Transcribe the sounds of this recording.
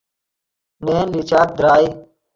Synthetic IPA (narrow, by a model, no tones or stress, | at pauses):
neːnlit͡ɕaːt̪̚d̪ɾaːi